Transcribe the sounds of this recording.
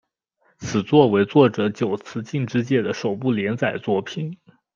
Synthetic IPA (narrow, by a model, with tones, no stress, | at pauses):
t͡sʰɹ̩˨˩t͡swɔ˥˩we˧˥ɪt͡swɔ˥˩ʈ͡ʂɤ˧˥t͡ɕjo˨˩ʊt͡sʰɹ̩˧˥t͡ɕi˥˩ŋʈ͡ʂɻ̩˥t͡ɕjɛ˥˩d̪ə˦ʂo˨˩ʊpu˥˩ljɛ˧˥nt͡sa˨˩ɪt͡swɔ˥˩pʰi˨˩˦n